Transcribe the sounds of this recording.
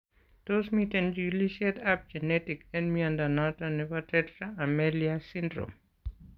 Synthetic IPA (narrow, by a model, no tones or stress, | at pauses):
tosmitɛnd͡ʒuliʃiɛtap̚d͡ʒɛnɛtikɛnmiandanɔtanɛvatɛtɾaːmɛliasindɾo̰m